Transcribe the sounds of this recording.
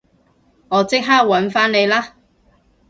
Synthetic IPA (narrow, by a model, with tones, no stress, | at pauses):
ŋɔː˨˧˥t͡sɪ˥k̚ɦaː˥k̚wɐ˨˥nfaː˥nne˨˧jlaː˥